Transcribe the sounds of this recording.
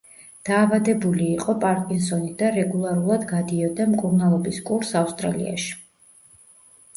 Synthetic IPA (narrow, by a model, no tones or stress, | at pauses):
d̪̥aːvad̪ɛbuliːqʼɔpʼaɾkʼinsɔnid̪aɾɛɡulˠaɾulˠad̪ɡad̪iɔd̪amkʼuɾnalˠɔbiskʼuɾsafst̪ʼɾalḭa̰ʃi̥